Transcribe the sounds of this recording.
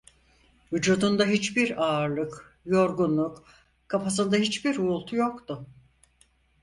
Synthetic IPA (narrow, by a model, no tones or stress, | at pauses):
vyd͡ʒuːd̪und̪aɦit͡ʃbiɾaːɾlˠɯk | jo̞ɾɡunlˠuk | kʰafas̬ɯnd̪aɦit͡ʃbiɾuːlˠt̪ʰujokt̪ʊ